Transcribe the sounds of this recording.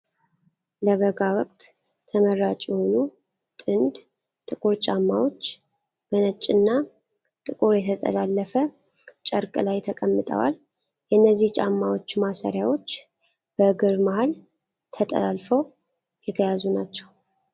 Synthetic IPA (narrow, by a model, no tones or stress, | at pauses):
ləβəɡawɔkʼt̪ | t̪ʰəməɾːat͡ʃʼjɛhonu | t̪ʼɨnd̪ | t̪ʼɨkʼuɾt͡ʃʼamːawo̞t͡ʃː | b̥ənət͡ʃʼːɨnːa | t̪ʼɨkʼuɾjɛt̪ʰət̪ʼə̰lalːəfə | t͡ʃʼəɾkʼɨlajt̪ʰəkʼəmːɨt̪ʼə̰wa̰l | jɛʔɨnːəzːiht͡ʃʼamːawo̞t͡ʃːmasəɾjawo̞t͡ʃː | b̥əɡɨɾmahal | t̪ʰət̪ʼə̰lalfəw | jɛt̪ʰəjazunat͡ʃːɛ̥w